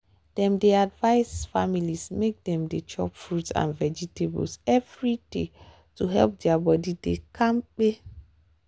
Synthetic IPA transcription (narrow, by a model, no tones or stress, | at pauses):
d̥ɛ̃mdeadvaɪsfamilismek̚dɛ̃mdet͡ʃɔ̰pfɹutsã̰nvɛd͡ʒitebṵlsɛvɹidḛ | tuɦɛ̰lp̚dɛabɔdidekʰãmk͡pe